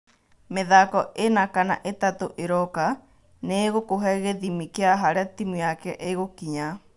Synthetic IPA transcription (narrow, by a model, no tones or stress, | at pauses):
meðakɔenakana̰ʔetatoʔeɾɔka | neɣokoɦɛɣeðimikeaɦaɾeatimujakɛʔeɣokiɲa